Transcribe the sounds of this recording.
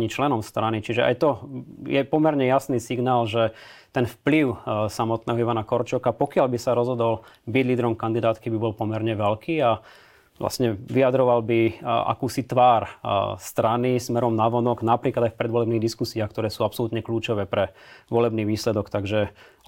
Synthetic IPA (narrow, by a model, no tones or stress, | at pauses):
ɲit͡ʃlɛnɔmst̪ɾanit͡ʃiʒɛʔa̰jt̪ɔjɛpɔmɛɾɲɛjasniːsiɡnaːlʒɛt̪ɛnfpliʊsamɔt̪nɛːɦɔiʋanakɔɾt͡ʃɔkapɔkɪalbisaɾɔzɦɔd̪ɔlbiɟliːd̪ɛɾɔmkand̪id̪aːt̪kibibɔlpɔmɛɾɲɛʋɛlkʰiːa | ʋla̰sɲɛʋiad̪ɾɔʋalbia̰kuːsit̪ʋaːɾst̪ɾanismɛɾɔmnaʋɔnɔɡnapɾiːklad̪ajfpɾɛd̪ʋɔlɛbniːɣd̪iskusiaxkt̪ɔɾɛːsuːapsɔlut̪ɲɛkluːt͡ʃɔʋɛːpɾɛʋɔlɛbniːʋiːslɛd̪ɔkt̪aɡʒɛ